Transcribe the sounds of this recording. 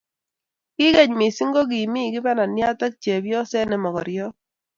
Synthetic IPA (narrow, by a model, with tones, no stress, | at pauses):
kɪ˦kɛ˦˨ɲmɪ˨si˦ŋɡo˦k̬i˨mi˦˨kɪ˦bɛ˦na˨nja˦ta˦k̚t͡ʃɛ˨bjɔ˦sɛ˦nɛ˨mɔ˨kɔ˨ɾjɔ˦